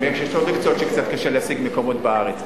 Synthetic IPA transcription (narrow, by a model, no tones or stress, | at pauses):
meekʃjeʃloʁikt͡sot̪ʃekt͡sat̪̚kaʃeleɦasiɡmeko̞motbeaʁet͡s